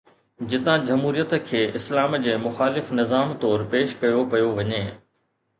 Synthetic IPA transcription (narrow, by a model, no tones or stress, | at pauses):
d͡ʑɪt̪ãd͡ʑɐmɦuːɾijət̪kʰeːʔɪslaːmd͡ʑeːmʊxaːlɪfnɪzaːmt̪ɔːɾpeːʃkɐjopɐjoʋɐɲeː